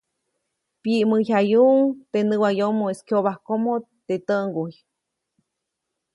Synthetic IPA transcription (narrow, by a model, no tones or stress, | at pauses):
piʔmɨjhajuŋt̪enɨwajomoeskjoβahkomo | t̪et̪əʔŋɡuj